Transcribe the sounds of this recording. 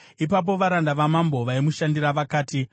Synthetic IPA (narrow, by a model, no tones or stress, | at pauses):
ipap̬o̞ʋaɾandaʋamambo̞ʋaimuʃandiɾaʋakaːti